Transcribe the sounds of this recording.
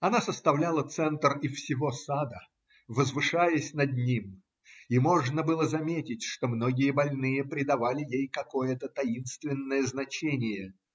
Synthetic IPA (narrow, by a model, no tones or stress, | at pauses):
ɐnasəst̪ɐvlʲalˠət̪sɛnt̪rɪfsʲɪvo̞sad̪ə | vəzvɨʂajəsʲnɐd̪nʲim | imo̞ʐnəbɨlˠəzɐmʲetʲɪtʲʂt̪o̞mno̞ɡʲɪjəbɐlʲnɨjəpɾʲɪd̪ɐvalʲɪjejkɐko̞jət̪ət̪ɐinst̪vʲɪnːəjəznɐt͡ɕenʲɪjə